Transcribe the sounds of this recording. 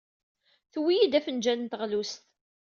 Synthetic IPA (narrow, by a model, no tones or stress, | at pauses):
θwijid̪æfənd͡ʒænnt̪əʁlust̪